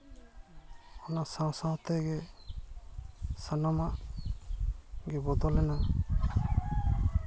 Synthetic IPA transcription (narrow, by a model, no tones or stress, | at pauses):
ɔnasãw̃sãw̃t̪ɛɡɛ | sanamaʔ | ɡɛbɔd̪ɔlɛna